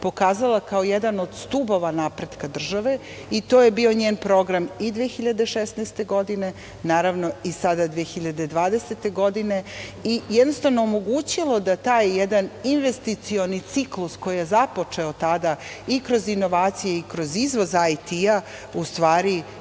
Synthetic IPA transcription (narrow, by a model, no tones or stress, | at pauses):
po̞kaːzalakaojed̪ano̞d̪st̪ubo̞ʋanaːpɾe̞d̪kad̪r̩ʒaʋe̞ | it̪o̞ːje̞bio̞ɲeːnpɾo̞ɡɾamid̪ʋexiʎad̪e̞ʃesnɛjst̪e̞ɡo̞d̪ine̞ | naːɾaʋno̞isad̪ad̪vʋiexiʎad̪e̞d̪ʋaːd̪eset̪e̞ɡo̞d̪ine̞ijɛd̪no̞st̪avnoːmo̞ɡuːt͡ɕilˠo̞d̪at̪aːjːɛd̪aninʋest̪it̪sio̞nit̪siklusko̞jijezapo̞t͡ʂe̞o̞t̪ad̪aikɾo̞zinːo̞ʋaːt̪sije̞ikɾo̞zizʋozajt̪ia | ust̪ʋaːɾi